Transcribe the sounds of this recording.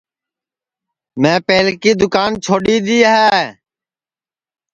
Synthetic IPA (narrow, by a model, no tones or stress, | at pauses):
mɛ̃ːpeːlkiːd̪ʊkaːnt͡ʃʰoːɗiːd̪iːɦɛː